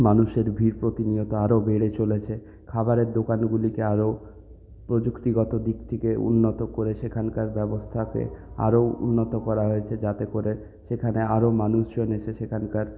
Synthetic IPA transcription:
manuʃeɾbʱiɾpɾot̪iniot̪oaɾobeɽet͡ɕolet͡ɕʰe | kʰabaɾeɾd̪okanɡulikeaɾo | pɾod͡ʑukt̪iɡɔt̪od̪ikt̪ʰekeṵnːot̪okoɾeʃekʰankaɾbɛbost̪ʰakḛa̰ɾoṵnːot̪okɔɾaɦojet͡ɕʰed͡ʑat̪ekoɾe | ʃekʰaneaɾomanuʃd͡ʑoneʃʰeʃekʰankaɾ

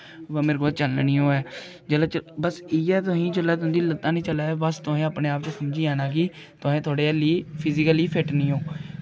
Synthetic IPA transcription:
ʋəmɪɾɡt͡ʃəlniːõːɛː | d͡ʒəlaːt͡ʃəbəsiːɛːt̪ʊɦĩːd͡ʒəlaːt̪ʊ̃ːd̪iːlət̪ːãːnĩːt͡ʃəlaːbəst̪ʊɦẽːaːpneːaːpt͡ʃesəmd͡ʒiːãːnãːkiː | t̪ʊɦẽːt̪ʰoːɽeːliːpʰɪzɪkəliːpʰɪʈnĩːõː

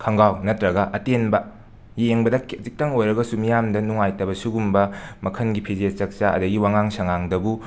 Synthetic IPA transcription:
kʰɐŋɡawnɐtɾɐɡɐʔɐtenbɐ | jeŋbɐdɐkɐt͡ʃik̚tɐŋojɾɐɡɐsumijamdɐnuŋajtɐbɐsuɡumbɐmɐkʰɐnɡipʰizet͡ʃɐk̚t͡ʃaɐ̰dɐɡiwaŋaŋsɐŋaŋdɐbu

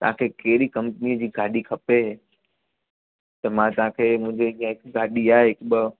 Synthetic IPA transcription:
t̪ɐʋã̰kʰekɛɦɪɾikɐ̃mpniəd͡ʑiːɡaːɗikʰɐpeɦ | t̪ɐmãt̪ɐʋ̤ãkʰeːmʊ̃ɦɪ̃ɲd͡ʑeɗijãɦɪkɡaːɗiaːeɦɪkɓə

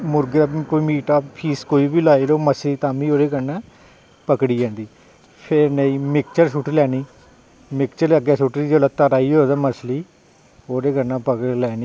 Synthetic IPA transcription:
mʊɾɡɾaːkoːiːmiːʈaːpʰiːskoːiːbiːlaːiloːməsliːt̪ãːmiːoːɾeːkəɾnãː | pəkɽiːd͡ʒãːnd̪iː | pʰɪɾnəĩːmɪkt͡ʃəɾsuʈʰilɛːniː | mɪkt͡ʃəɾəɡɛːsuʈɾiːd͡ʒolaːt̪əɾaːiːoːd̪aːməsliː | oːɾeːɡəɾnãːpəklɛːniː

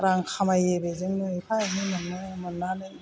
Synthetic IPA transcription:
ɾaŋkʰamajebezɯŋnɯepʰajaninɯŋnɯmɯnːanɯ

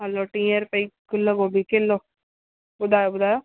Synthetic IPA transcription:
ɦaloːʈĩːəɾpəiːkʊlːəɡoːbʱiːkelːoː | bʊd̪aːjoːbʊd̪aːjoː

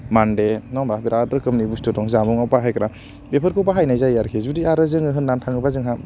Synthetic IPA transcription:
mandenɔŋbabiɾadɯɾkɯmnibustɯtɔŋzamɔŋawpaɦajkɾa | bepʰɯɾkʰɯwpaɦajnajzajaɾkʰezudiaɾɯzɯŋɯɦɯnːantʰaŋɯbazɯŋɦa

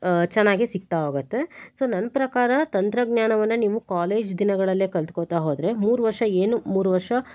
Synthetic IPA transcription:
t͡ʃɛnːaːɡisik̚t̪aoːɡut̪ːe̞so̞ːnɐnːɐpɾɐkaːɾɐt̪ɐnt̪ɾɐɡɲaːɳɐʋɐnːɐniːʋukaːle̞ːd͡ʒd̪inɐɡɐɭɐlːeːkɐlt̪koːt̪aːɦoːd̪ɾe̞muːɾuʋɐɾʂɐeːnumuːɾuʋɐɾʂɐ

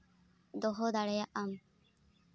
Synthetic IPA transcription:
d̪oɦod̪aɭejɐʔɐm

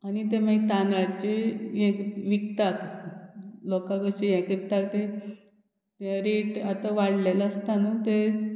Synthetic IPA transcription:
anit̪̬emait̪anaɽt͡ɕejɛ̃kʋikt̪at̪ | lokãkəɕejɛ̃kikt̪akt̪e | t̪ɾeʈat̪aʋaɽlelaəst̪anat̪e

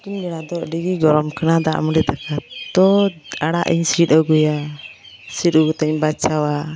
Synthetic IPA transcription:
k̪iɲbɛɽad̪ɔɖiɡiɡɔɾɔmkənad̪aʔmɾɛd̪akat̪ɔaɽaʔḭɲsit̪ɔɡuja | sit̪̚ɔɡut̪ɛɲbat͡ʃawa

